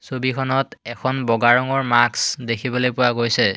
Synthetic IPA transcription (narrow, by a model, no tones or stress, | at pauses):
sobikʰɔnɔtɛkʰɔnbɔɡaɹɔŋɔɹmaksdekʰibolojpʊwaɡojsɛ